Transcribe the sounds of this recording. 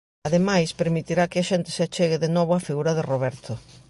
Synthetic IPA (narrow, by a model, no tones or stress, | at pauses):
aðemajspeɾmit̪iɾakɪaʃent̪ɪ̥seat͡ʃeɣɪðenɔβoafiɣuɾɐðeroβɛɾt̪ʰo